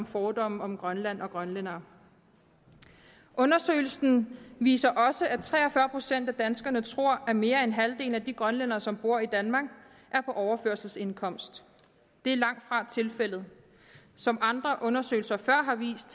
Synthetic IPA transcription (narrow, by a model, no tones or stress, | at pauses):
mfɒːd̥ɒ̽mɒ̽mɡ̥ʁɶnlæn̰ɒ̽ɡ̥ʁɶnlen̰ɐː | ʔɔ̽nɐsø̰ːɪl̩sn̩ʋḭːsɐʔɒ̽səʔæt͡sʰʁɛ̰ːɒfɶɐpʰʁo̝sen̰d̥æd̥ænsɡ̥ɐnət͡sʰʁo̝ɐ̰ʔæme̝ːɐenɦæld̥e̝̰ːl̩æd̥iɡ̥ʁɶnlenɐːsɒ̽mb̥o̝ɐ̰id̥ænmɑ̈ːɡ̥ | ʔæɐpʰɒ̽ʔɒʊɐføɐ̰sl̩se̝nkʰɒ̽m̰sd̥ | d̥e̝æɐlɑ̈ŋ̰d̥fʁɑ̈t͡sʰe̝lfel̰ð̩ˠ | sɒ̽mɑ̈nd̥ʁɐʔɔ̽nɐsø̰ːɪl̩sɐfɶɐ̰ɦɑ̈ʋḭːsd̥